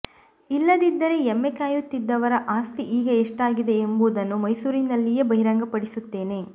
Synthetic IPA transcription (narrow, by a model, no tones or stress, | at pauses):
ilːɐd̪id̪ːɐɾe̞emːekaːjut̪ːid̪ːɐʋɐɾɐʔaːst̪iʔiːɡɐeʂʈaːɡid̪e̞embuːd̪ɐnːumɐjsuːɾinɐlːije̞bɐɦiɾaːŋɡɐpɐɽisut̪ːe̞ːne̞